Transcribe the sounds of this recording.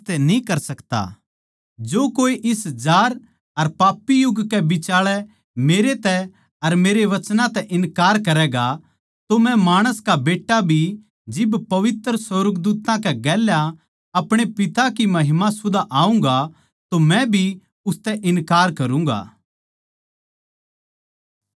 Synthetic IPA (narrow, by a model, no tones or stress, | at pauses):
t̪ɛnĩkɐɾsɐkt̪a̰ː | d͡ʒoːkoːiʔɪsd͡ʒaːɾ | ɐɾpaːpːijʊɡkɛbɪt͡ʃaːɭɛ | meːɾet̪ɛ | ɐɾmeːɾeʋɐt͡ʃnãt̪ɛʔɪ̃nkaːɾkɐɾɛːɡa | t̪omɛ̃maːɽ̃əskabeːʈːabʱi | d͡ʒɪbpɐʋɪt̪ɾəsoɾəɡd̪uːt̪ãkɛɡɛːlja | ɐpɽ̃epɪt̪akimɐɦɪmasʊd̪ʱaʔaːũŋ̆ɡa | t̪omɛ̃bʱi | ʊst̪ɛʔɪ̃nkaːɾkɐɾũːŋ̆ɡa̰ː